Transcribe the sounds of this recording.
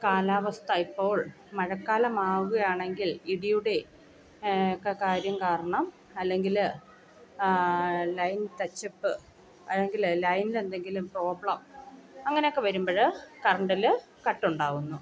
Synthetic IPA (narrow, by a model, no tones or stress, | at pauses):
kaːlaːʋɐst̪ɐipːo̞ːɭ | mɐɻɐkːaːlɐmaːɣuɣɐjaːɳe̞ŋɡiliɽijuɽe̞ | kːekaːɾjɐmkaːɾɐɳɐm | ɐlːe̞ŋɡil | lɐjnt̪ɐt͡ɕːɐpːɨ | ɐlːe̞ŋɡillɐjnile̞nd̪e̞ŋɡilumpro̞ːbɭɐmɐŋːɐne̞jo̞kːe̞ʋɐɾumbɐɻɨkɐrɐɳɖil | kɐʈːuɳɖaːɣunːu